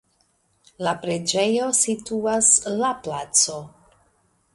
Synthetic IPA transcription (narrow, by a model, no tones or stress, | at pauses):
lapɾe̞d͡ʒe̞jo̞situaslaplat͡so̞